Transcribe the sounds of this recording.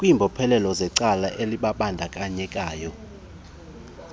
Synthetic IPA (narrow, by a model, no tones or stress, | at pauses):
kʼwimbʱɔpʰɛlɛlɔzɛǀalaʔeliɓaɓandʱakʼaɲɛkʼaːjɔ